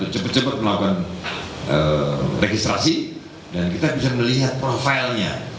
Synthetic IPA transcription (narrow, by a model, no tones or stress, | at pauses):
t̪ut͡ʃəbət̪̚t͡ʃəbət̪̚məlakukanʔəreɡist̪ɾasi | dankit̪abisaməliɦat̪̚pɾofajlɲa